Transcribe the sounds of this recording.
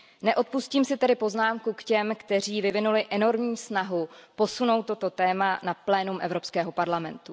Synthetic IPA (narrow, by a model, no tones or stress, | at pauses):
nɛʔo̞t̪̚pusciːmsɪt̪ɛdɪpo̞znaːmkukcɛmkt̪ɛr̝iːvɪvɪnulɪʔɛno̞ɾmɲiːsnaɦupo̞suno̞wt̪ːo̞t̪o̞t̪ɛːmanaplɛːnumʔɛvɾo̞pskɛːɦo̞paɾlamɛ̰nt̪u